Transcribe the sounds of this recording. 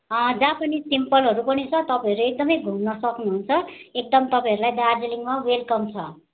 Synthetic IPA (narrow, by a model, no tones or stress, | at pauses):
d͡zãpʌnisimpʌlɦʌɾupʌnit͡sʰʌt̪ʌpãjʌɾuek̚d̪ʌmʌjɡʱumnʌsʌknuɦunt͡sʰʌek̚d̪ʌmt̪ʌpãj̃ʌɾulajd̪ard͡zeliŋmawelkʌmt͡sʰʌ